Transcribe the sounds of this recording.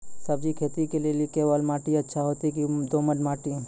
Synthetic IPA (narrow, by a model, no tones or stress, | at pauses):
sɐbd͡ʒikʰeːt̪ikelielikewalmaːʈiɐtːʃʰaɦoːt̪ikid̪oːmənmaːʈiɛ̃